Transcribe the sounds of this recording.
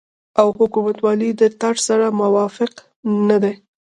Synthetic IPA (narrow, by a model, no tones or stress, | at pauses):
awhʊkumat̪wɑlid̪ət̪aʈsaɾamawɑfɪq | nad̪a